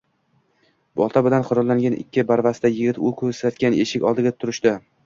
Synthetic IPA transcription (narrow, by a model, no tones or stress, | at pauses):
bɒ̰lˠt̪ʰabɪlanqʰʊɾɒlːaŋɡʲanʔɪ̰kʲːɪbaɾvast̪ajɪɡʲɪt̪ʊkʰɵzsat̪kʲane̞ʃɪkʲɒ̰lˠd̪ɪɡʲat̪ʰʊɾɪʃt̪ɪ